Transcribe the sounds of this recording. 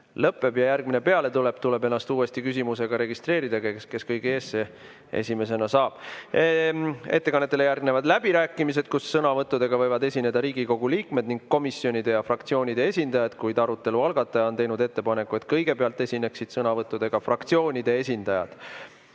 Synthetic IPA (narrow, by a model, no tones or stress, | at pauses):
lɤpːˑe̞b̥jɑjærɡ̚mine̞pe̞ɑle̞t̪ule̞b̥t̪ule̞be̞nːɑst̪uːe̞st̪ikys̬ʲimuse̞ɡ̥ɑɾe̞ɡist̪re̞ːɾid̪ɑkeske̞skɤjɡiesːe | ḛsʲime̞s̬e̞nɑsɑːb̥ | e̞t̪ːekɑnːet̪ːˑelejærɡne̞vɑd̪læb̥iɾæːkːˑimis̬e̞d̪̥̚kusːɤnɑvɤt̪ːˑud̪̥e̞ɡ̥ɑvɤ̞jvɑd̪e̞sʲine̞d̪ɑɾiːɡiko̞ɡ̥uliːkme̞d̪̚niŋɡ̥kːo̞misːio̞nʲid̪̥e̞jɑfrɑkt̪sio̞ːnʲid̪̥e̞esʲind̪ɑjɑd̪̥kujd̪̥ɑɾut̪ːˑe̞luɑlɡ̥ɑt̪ˑːɑjɑot̪ejnud̪e̞t̪ːe̞pɑne̞kːuet̪ˑkɤjɡe̞peɑlt̪ːˑe̞sʲine̞ksid̪̥sɤnɑvɤt̪ːˑud̪̥e̞ɡ̥ɑfrɑkt̪sio̞ːnʲid̪̥e̞e̞s̬ʲind̪̥ɑjɑ̰d̪̥